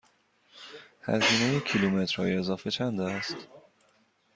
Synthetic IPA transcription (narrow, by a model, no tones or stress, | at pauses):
hæ̰ziːnejecʰilumet̪ɾ̥hɒ̰ːjiezɒːfe̞t͡ʃʰænd̪æːst̪